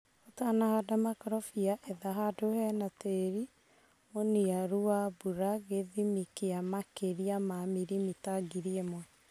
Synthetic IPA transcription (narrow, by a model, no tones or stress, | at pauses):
otanahadamakɾɔfiaʔeðaɦadohɛnateɾi | oniaɾuabuɾaɣeðimikeamakeɾiamamiɾimitaɡiɾiemwɛ